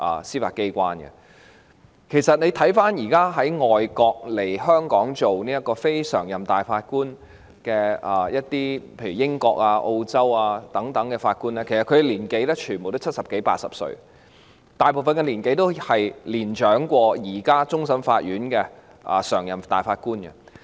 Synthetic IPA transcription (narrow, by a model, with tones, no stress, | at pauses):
ʔɐ̰ː˨siː˥faː˧t̚ke˥jkʷaː˥nɡɛ̰˨ | kʰe˨˩jsɐ˨t̚ne˨˧jt̪ʰɐ˨˥jfaː˥njiː˨˩kaː˥ɦɐ˨˥jŋɔː˨jkɔː˧k̚le˨˩jhœː˥ŋkɔː˨˥ŋt͡so˨wniː˥jɐ˥t̚kːɔː˧fe˥jsœ̰ː˨˩ŋjɐ˨mt̪aː˨˩jfaː˧t̚kuː˥n | kɛː˧ɐː˨jɐ˥t̚t̪iː˥pʰe˧jy˨˩jɪ˥ŋkɔ̰ː˧k̚aː˧ʔo˧wt͡sɐ˥waː˧t̪ɐ˨˥ŋt̪ɐ˨˥ŋkɛ˧faː˧t̚kuː˥nlɛː˥kʰe˨˩sɐ˨tkʰɵ˨˧e˨˧liː˨˩nke˨˥jlɛː˥t͡ʃʰyː˨˩nbo˨t̪o˥t͡sʰt̚sɐ˨p̚ke˨˥jpa̰ː˧t̚sɐ̰˨p̚sɵ̰˧ɥ | t̪aː˨˩jp̬o˨wfɐ˨nkɛ˧nliː˨˩nke˨˥jt̪o˥whɐ˨jliː˨˩nt͡ʃœː˨˥ŋkʷɔː˧jiː˨˩kaː˥t͡sʊ˥ŋsɐ˥mfa̰ː˧t̚jyː˨˥nkɛː˧ | ʔɐ̰˨˩sœ̰ː˨˩ŋjɐ˨˩mt̪a̰ː˨˩jfaː˧t̚kuː˥nkɛ̰˧